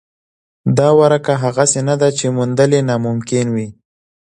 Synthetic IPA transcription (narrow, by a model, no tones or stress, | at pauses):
d̪ɑwaɾakaɦaɣasenad̪at͡ʃemʊnd̪əlenɑmʊmkɪnwi